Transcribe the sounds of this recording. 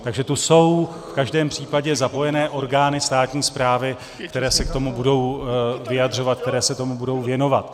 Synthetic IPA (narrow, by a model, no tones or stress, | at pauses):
t̪aɡʒɛt̪uso̞w | fkaʒdɛːmpr̝̥iːpaɟɛzapo̞jɛnɛːʔo̞ɾɡaːnɪst̪aːt̪ɲiːspɾaːvɪ | kt̪ɛɾɛːsɛk̚t̪o̞mubudo̞wvɪjadr̝o̞vat̪̚k̚t̪ɛɾɛːsɛt̪o̞mubudo̞wvjɛno̞vat̪